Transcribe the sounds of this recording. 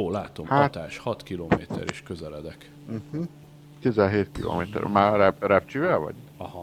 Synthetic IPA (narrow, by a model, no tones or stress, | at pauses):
oːlaːt̪o̞mhat̪aːʃhɒt̪kiloːmḛːt̪ʰɛ̰ɾḭʃkøzɛlɛd̪ɛk | m̩hɯ | kezɛlɦeːt̪kilo̰ːmeːt̪ɛ̰ɾmaːɾɛbrɛp̚t͡ʃivɛlvɒ̰ɟɒhɒ